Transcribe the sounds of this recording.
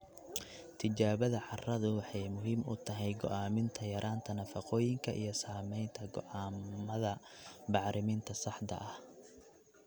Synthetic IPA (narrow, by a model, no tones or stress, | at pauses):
t̪ʰɪt͡ʃaːβɐðɐʕɑrɐðʊwɑħɑjmʊɦiːmʔʊ̰t̪ʰɐɦɛjɡɔ̰ʔaːmɪnt̪ʰɐjɐɾʔaːnt̪ʰɐnɐfɑqɔːjɪŋkʰɐʔḭjɞsaːmɛjnt̪ʰɐɡɔ̰ʔaːmɐðɐbɑʕɾʔɪmint̪ʰɐsɑħd̪ɐ̰ʔɐh